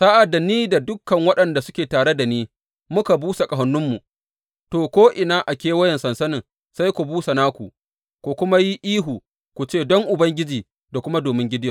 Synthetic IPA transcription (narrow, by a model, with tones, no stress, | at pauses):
sa˦ʔa˨dːa˨niː˦da˨dʊ˦kːɐ˨ŋwɐ˦ɗɐ˨nda˨sʊ˦kʲeː˨taː˨ɽe˦da˨niː˦ | mʊ˦ka˨buː˦sa˨kʼɐ˨ɦɐ˨nːʊ˦mːu˨ | toː˨kʷoː˦ʔɪ˨naː˦ʔa˨kʲeː˦wɐ˦jɐ˨nsɐ˨nsɐ˦nɪ˨ŋ | sa˦jkʷu˨buː˦sa˨naː˦kʷu˨ | kʷu˨kʷʊ˦ma˦ji˦ʔiː˦ɦu˨ | kʷu˨t͡ʃeː˦˨dɔ˦ŋʔʊ˨bɐ˦ŋɡʲɪ˦d͡ʒiː˨ | da˨kʷʊ˦ma˦doː˨mɪ˦ŋɡʲɪ˦dɪ˦jɛ˨